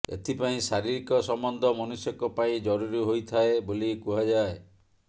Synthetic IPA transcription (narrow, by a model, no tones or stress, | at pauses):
ḛt̪ʰipaĩsaɾiɾikɔsɔmbɔnd̪ʱɔmɔnusjɔkɔpaĩd͡ʒɔɾuɾiɦojt̪ʰaebolikuɦad͡ʒae